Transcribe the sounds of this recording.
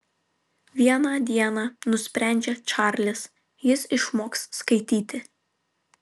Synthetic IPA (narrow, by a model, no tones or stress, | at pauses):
ʋʲiɛnɑd̪ʲiɛnɑːnʊsʲpʲɾʲæˑnʲd͡ʒʲɛt͡ʃɑˑɾʲlʲɪs | jɪsɪʃmoːksːkɐɪt̪ʲiːt̪ʲɪ